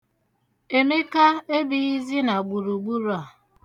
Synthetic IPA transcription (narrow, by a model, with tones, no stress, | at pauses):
e˨me˦ka˦e˦bi˦i˦zi˦na˨ɡ͡bu˨ɾu˨ɡ͡bu˦ɾa˨